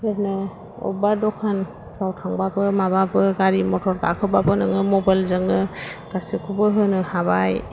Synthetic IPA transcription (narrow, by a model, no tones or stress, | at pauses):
hɯɾnɯ | ɔ̰badɔkʰan | pʰawtʰaŋbabɯmababɯɡaɾimɔtʰɔɾka̰kʰɯbapɯnɯŋnɯmɔbajlzɯŋnɯɡ̥asikʰubɯɦɯnɯhaβaj